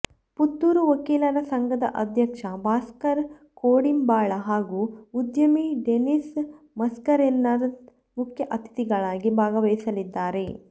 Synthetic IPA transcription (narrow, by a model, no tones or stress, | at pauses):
put̪ːuːɾuʋɐkiːlɐɾɐsɐŋɡɐd̪ɐ̰ʔɐd̪ʱjɐkʂɐbaːskɐɾ | koːɽimbaːɭɐɦaːɡuud̪jɐmiɖenis | mɐskɐɾenːɐɾ | mukʰjɐʔɐt̪ʰi̥t̪iɡɐɭaːɡibʱaːɡɐʋɐjsɐlid̪ːaːɾe̞